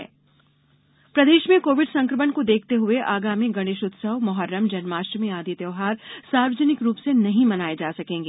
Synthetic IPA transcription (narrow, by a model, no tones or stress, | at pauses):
ɛ̰ | pɾɐd̪eːʃmẽkoːʋɪɖsɐ̃ŋkɾɪmənkod̪eːk̚ʰt̪eɦʊeʔaːɡaːmiɡɐɽ̃ɪʃʊt̪səʋmɐɦəɾːəmd͡ʒɐnmaːʃʈɾmẽaːd̪ʱit̪jɐːɦaːɾsaːɾʋəd͡ʒənɪkɾuːpsenɐɦĩmɐnaːed͡ʒaːsɐkẽːŋɡeː